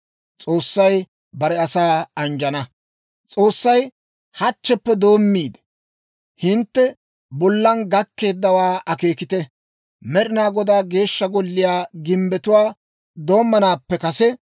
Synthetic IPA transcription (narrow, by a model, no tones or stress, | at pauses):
t͡sʼo̞ːsːɐj | bɐɾɛɐsaːɐnd͡ʒɐnɐ | t͡sʼo̞ːsːɐj | hɐt͡ʃːɛpːɛd̪o̞ːmːiːd̪ | hɪnt̪ːɛ | bɔlːɐnɡɐkːe̞ːd̪ːɐwaːʔɐke̞ːkɪt̪ɛ | mɛɗɪnaːɡɔd̪aːɡe̞ːʃːɐɡɔlːɪjaːɡɪmbɛt̪ʊwaː | d̪o̞ːmːɐnaːpːɛkɐsɛ